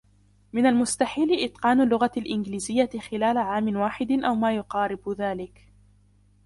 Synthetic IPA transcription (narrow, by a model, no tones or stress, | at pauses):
mɪnalmʊst̪aħiːlɪʔɪt̪ˤqɑːnʊlːʊɣaalʔɪnɡliːzɪjːaɪxɪlaːlaʕaːmɪnwaːħɪd̪ɪʔawmaːjʊqɑːɾɪbʊðaːlɪk